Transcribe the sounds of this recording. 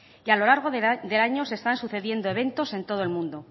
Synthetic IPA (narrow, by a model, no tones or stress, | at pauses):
ialolaɾɣ̞o̞d̪e̞laɲo̞se̞st̪ansuθe̞ðje̞nd̪oe̞β̞ẽ̞nt̪o̞se̞nt̪o̞ð̞oe̞lmũnd̪o̞